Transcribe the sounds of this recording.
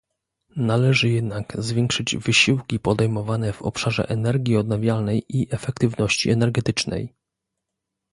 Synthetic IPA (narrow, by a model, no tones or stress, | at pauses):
nalɛʐɘjɛd̪naɡzvʲjɛŋkʂɘd͡ʑvɘɕiwkʲipɔd̪ɛjmɔvanɛvɔ̰pʂaʐɛ̰ʔɛnɛɾɡʲiɔd̪̚navʲjalnɛjʔiʔɛfɛk̚t̪ɘvnɔɕt͡ɕḭɛnɛɾɡɛt̪ɘt͡ʂnɛ̰j